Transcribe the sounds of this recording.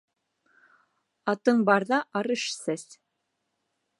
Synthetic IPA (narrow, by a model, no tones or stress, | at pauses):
ɑt̪ɤnbɑɾðɑʔɑɾɤʃsæs